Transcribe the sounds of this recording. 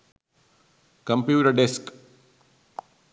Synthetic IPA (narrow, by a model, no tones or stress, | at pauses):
kɐmpjuːʈɐɖesk